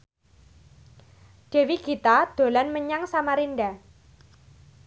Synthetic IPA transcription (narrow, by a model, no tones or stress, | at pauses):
ɖ̥e̤wiɡ̥it̪ad̪̥o̤lanməɲaŋsamaɾinɖa